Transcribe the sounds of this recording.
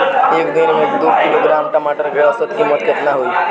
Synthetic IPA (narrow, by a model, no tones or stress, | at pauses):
eːkd̪inmẽekd̪uskiloɡɾaːmʈəmaʈəɾkeʋasət̪kimət̪kət̪naɦoi